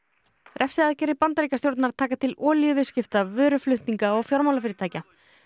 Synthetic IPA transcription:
ɾʔɛfsɪaðcɛːɾɪpant̪aɾiːcast̪jowɾt̪naɾ̥t̪ʰaːkat̪ʰɪlɔːljʏvɪscɪft̪avʏːɾʏflʏht̪niŋkaɔɣfjɔɾmawlafɪɾɪɾt̪aːjca

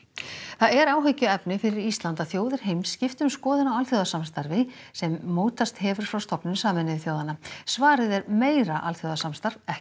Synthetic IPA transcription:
θaðɛɾaːwɦœɥcːʏɛpnɪfɪɾɪɾist̪lant̪aθjoːwðɪɾ̥ɦejmsːcɪft̪ʏmskɔːðɪnawalθjowðasamst̪aɾvɪ | sɛmːoːwt̪ast̪hɛvʏɾ̥fɾawst̪ɔpnʏnsaːmɪnɪðɪθjoːwðanːasvaːɾɪðɛɾmeːjɾaʔalθjowðasamst̪aɾvɛhcɪ̥

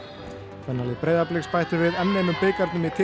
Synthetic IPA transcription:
kʰvɛnːalɪðpɾeːjðaplɪkspajht̪ʏɾvɪðɛnːejnʏmpeːkaɾt̪nʏmɪðt̪ʰɪ

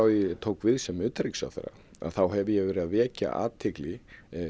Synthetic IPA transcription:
awjɛt̪ʰoːwkvɪðsɛmʏːt̪ɾeksa̰wθɛ̰ɾa̰ | a̰ðθawɦɛvɪjɛɣvɛːɾɪðaðvɛːca̰ʔa̰ːt̪ʰːɪklɪ

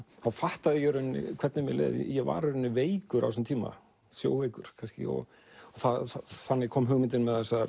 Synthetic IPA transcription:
θaðfaht̪aðɪjɛɾʏnːɪ̰kʰvɛɾt̪nɪmjɛ̰lḛːð̰jɛva̰ːɾʏɾʏnːɪveːjkʏɾa̰wsɛnt̪ʰiːma̰ | sjo̰ːwvejkʏɾ̥kʰanscɪ̰ɔ̰ɣ | ɔθaðaθanːɪɣkʰɔːmɦʏɣmɪnt̪ɪnmɛðɛsa

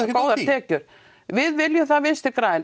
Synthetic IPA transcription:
koːwðaɾ̥t̪ʰɛːcʏɾ̥ | vɪðvɪljʏθaðvɪnst̪ɪɾkɾaːjɪn

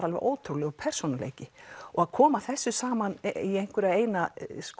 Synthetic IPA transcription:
ɾalvʏ̰ʔoːwt̪ʰɾuwlɪɔpʰɛr̥sonalḛːjcɪɔɣaðkʰɔːmaθɛsːʏsaːmaniejŋ̥kʏɾɪaeːjnask

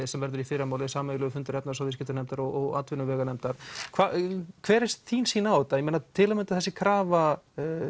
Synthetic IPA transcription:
sɛmvɛɾðʏɾifɪːɾamaːwlɪsaːmlʏɣʏfʏnt̪ʏɾɛp̪̚nasawðɪscɪt̪ʏɾnɛmt̪aɾɔɣɔɣa̰t̪vɪnːʏvɛːɣanɛmt̪aɾ̥kʰvakʰvɛːɾɪst̪θiːnsiːnaawt̪ajmeːnat̪ʰɪːlamʏnt̪ḁθɛsːɪkʰɾaːva

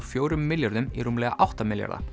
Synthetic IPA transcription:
fjoːwɾʏmːɪljɔɾðʏmḭɾʊmlɛːɣa̰ʔawht̪amɪlja̰ɾða̰

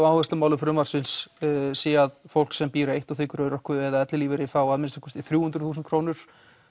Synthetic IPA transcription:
aːwhɛst̪ɪmaːwlɪfɾʏmvaɾsɪnssɛːaðfowl̥ksɛmpiːɾaejht̪ɔθɪːkʏɾœːɾɔhkvʏðɛːðaðɛt̪lɪliːvɪɾɪθawaðmɪnst̪akʰvœ̥st̪ɪθɾjuːhʏnt̪ɾʏ̥θusɛnkʰɾoːwnʏɾ̥

